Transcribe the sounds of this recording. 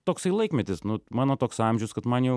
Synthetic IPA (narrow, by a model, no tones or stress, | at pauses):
t̪oːksɐɪlˠɐɪkmʲɛt̪ʲɪsnʊmɑːnoːt̪oːksɑmʲʒʲɛʊskɐt̪mɐnjɛʊ